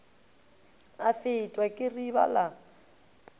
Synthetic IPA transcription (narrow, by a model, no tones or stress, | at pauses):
afɪtʼwɛkʼɪriβa̰la